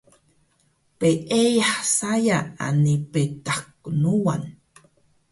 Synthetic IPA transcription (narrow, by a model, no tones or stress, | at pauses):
peʔejaħsajaa̰nipet̪aknuwan